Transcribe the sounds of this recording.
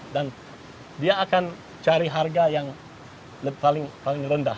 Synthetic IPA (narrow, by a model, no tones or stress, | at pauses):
dan | diaːkan | t͡ʃaɾiɦarɡajaŋ | palɪŋpalɪŋrəndah